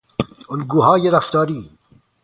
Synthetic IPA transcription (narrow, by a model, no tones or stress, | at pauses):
olɡuːɦɑːjeɾaft̪ɑːɾiː